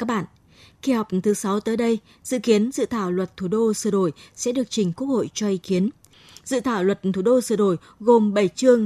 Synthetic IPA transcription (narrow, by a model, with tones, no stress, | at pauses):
aː˦˥k̚ɓa̰ː˧˨n | ki˧hɔ˨˩wk͡p̚t̪ʰɨ˨˦sa˨˦wt̪əː˨˦jɗə˧j | zɨ̰˧˨ki˨˦ənzɨ̰˧˨t̪ʰaː˧˩wlwə˨˩t̚t̪ʰu˧˩ɗo˧sɨ˧˩ɗo˧˩jsɛ̰˧˥ɗɨ˨˩ək̚t͡ɕï˨˩ŋ̟ku˦˥ək̚ho̰˧˨jt͡ɕɔ˧ʔi˨˦ki˨˦ən | zɨ̰˧˨t̪ʰaː˧˩wlwə˨˩t̚t̪ʰu˧˩ɗo˧sɨ˧˩əɗo˧˩j | ɣo˨˩mɓə˧˩jt͡ɕɨ˧əŋ